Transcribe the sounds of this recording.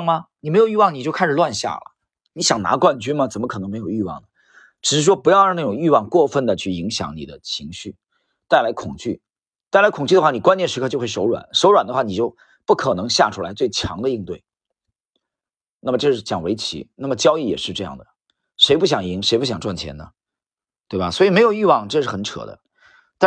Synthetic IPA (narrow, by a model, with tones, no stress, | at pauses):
ŋmɐ˧ni˨˩me˧˥ɪjy˥˧wɑ˥˩ŋni˨˩t͡ɕjo˥˧ʊkʰa˥˩ʂɻ̩˨˩lwa˥˧nɕja̰˥˩lə̰˩ | ni˧˥ɕjɑ˨˩ŋna̰˧˥kwa˥˧nt͡ɕy˥mə˨t͡sə˨˩nmə˦kʰɤ˨˩ɤ˧˥ŋme˧˥ɪjo˨˩ʊy˥˧wɑ̰˥˩ŋnə˩ | ʈ͡ʂɻ̩˨˩ʂɻ̩˥˩ʂ̬wɔ˥pu˧˥jɑ˥˧ɻna˥˩ʈ͡ʂʊ˨˩ŋy˥˧wɑ˥˧ŋkwɔ˥˧fə˥˩nd̪ə˩t͡ɕʰy˥˩i˧˥ŋɕjɑ̰˧˥ŋni˨˩d̪ə˦t͡ɕʰi˧˥ŋɕy˥˩ | t̪a˥˩ɪla˧˥ɪkʰʊ˨˩ŋt͡ɕy̰˥˩ | t̪a˥˩ɪla˧˥ɪkʰʊ˨˩ŋt͡ɕy˥d̪əxwa˥˩ni˨˩kwa˥njɛ˥˩nʂɻ̩˧˥kʰɤ˥˧t͡ɕo˥˧ʊxe˥˩ʂo˧˥ʊɻwa̰˨˩˦nʂo˧˥ʊɻwa˨˩nd̪ə˦xwa˥˩ni˨˩t͡ɕjo˥˧ʊ | pu˥˩kʰɤ˨˩nɤ˧˥ŋɕja̰˥˩ʈ͡ʂʰu˥la˧˥ɪt͡swe˥˩ɪt͡ɕʰjɑ̰˧˥ŋd̪ə˧i˥˧ŋt̪we˥˩ɪ | na˥˩mə˩ʈ͡ʂɤ˥˧ʂɻ̩˥˩t͡ɕjɑ̰˨˩ŋwe˧˥ɪt͡ɕʰḭ˧˥na˥˩mə˩t͡ɕjɑ˥ʊi˥˩jɛ̰˨˩ʂɻ̩˥˧ʈ͡ʂɤ˥˧jɑ̰˥˩ŋd̪ə˩ | ʂe˧˥ɪpu˥˩ɕ̬jɑ˨˩ŋi˧˥ŋʂe˧˥ɪpu˥˩ɕjɑ˨˩ŋʈ͡ʂwa˥˩nt͡ɕʰjɛ̰˧˥nnə˨ | t̪we˥˩ɪbɐ˩swɔ˧˥i˨˩me˧˥ɪjo˨˩y˥˧wɑ˥˩ŋʈ͡ʂɤ˥˧ʂɻ̩˥˩xə˨˩˥nʈ͡ʂʰɤ̰˨˩˦d̪ə̰˦ | t̪a˥